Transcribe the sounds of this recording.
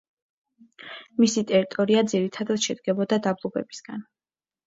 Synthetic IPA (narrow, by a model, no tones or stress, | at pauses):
misit̪ʼɛɾit̪ʼɔɾiad̪ziɾit̪ʰad̪at̪ʃɛd̪ɡɛbɔd̪ad̪ablˠɔbɛ̰bi̥sɡ̥a̰n